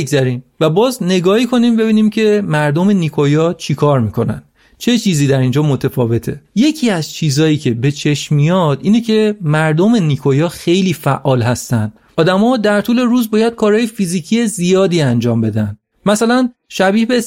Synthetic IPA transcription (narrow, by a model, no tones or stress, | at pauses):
ɡzæɾiːmvæbɒːzne̞ɡɒːhikʰo̞niːmbe̞βiːniːmcʰe̞mæɾd̪ome̞nikʰojɒːt͡ʃʰikʰɒːɾmiːkʰo̞næ̰nd̪ | t͡ʃʰe̞t͡ʃʰiːziːd̪æɾind͡ʒɒːmot̪ʰefɒːve̞t̪ʰe̞je̞cʰiːæz̥t͡ʃʰiːzɒːjiːcʰe̞be̞t͡ʃʰe̞ʃmijɒd̪̥iːnecʰe̞mæɾd̪ome̞nikʰojɒːxe̞jliːfæʔːɒːlɦæst̪ænd̪̥̚ | ɒːd̪æmɒːd̪æɾt̪ʰuːle̞ɾuːzbɒːjæd̪̥̚kʰɒːɾhɒːjefiziːcʰiːje̞zijɒːd̪iːænd͡ʒɒːmbe̞d̪ænd̪̥ | mæsælænʃæbiːhbe